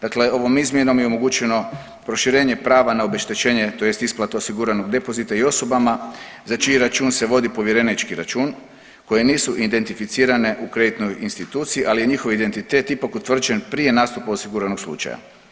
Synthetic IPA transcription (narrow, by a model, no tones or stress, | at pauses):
d̪̥akle̞o̞ʋo̞mizmjeno̞mjeo̞mo̞ɡut͡ʃe̞no̞ | pɾo̞ʃiɾe̞ːɲe̞pɾaːʋanaobe̞ʃt̪et͡ʃe̞ːɲe̞t̪o̞je̞st̪isplˠat̪aosiɡuɾano̞ɡd̪e̞po̞zit̪aio̞so̞bamazat͡ʃiiɾat͡ʃuːnse̞ʋo̞d̪ipo̞ʋje̞ɾenit͡ʃkiɾat͡ʃuːn | ko̞je̞niːsuʔid̪e̞nt̪ifit̪siːɾane̞ʔukɾe̞d̪it̪no̞jinst̪it̪uːt̪sijiʔalije̞ɲixo̞ʋid̪ent̪it̪et̪ipakut̪ʋr̩d͡ʒe̞npɾije̞naːst̪upaosiɡuɾano̞ɡslṵt͡ʃa̰ja̰